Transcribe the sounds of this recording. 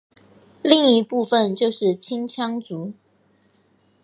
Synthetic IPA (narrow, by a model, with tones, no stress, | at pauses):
li˥˨˩ŋi˧˩pu˥˨fə˨nt͡ɕjo˥˧ʊʂɻ̩˥˩t͡ɕʰi˦ŋt͡ɕʰjɑ˦ŋt͡su˨˦